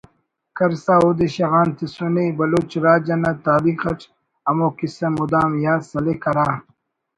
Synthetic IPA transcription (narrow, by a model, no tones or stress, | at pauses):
kɐɾsaːoːd̪eɕɐɣaːnt̪isunebɐloːt͡ʃɾaːd͡ʑɐnɐt̪aːbiːxɐʈ͡ʂ | ɐmoːkisɐmud̪aːmjaːsɐlekɐɾaː